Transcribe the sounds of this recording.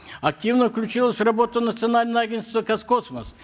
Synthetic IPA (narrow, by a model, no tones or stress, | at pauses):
ɐk̚tʲivnəfklʲʉt͡ɕilˠəsʲrɐbo̞t̪ʊnət̪sɨɐnalʲnəvəɐɡʲenst̪vəkɐskosməs